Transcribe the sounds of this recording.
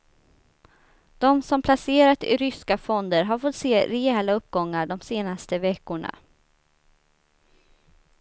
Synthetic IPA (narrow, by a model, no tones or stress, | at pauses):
d̪̥ɔmsɔmpʰlaseːɾat̪ɪ̰ɾʏskafɔnd̪əɾɦaɾfɔt̪ːseːɾɛɛːlaɵp̚ːɡɔŋːaɖɔmseːnast̪əvɛkːʊɳa̰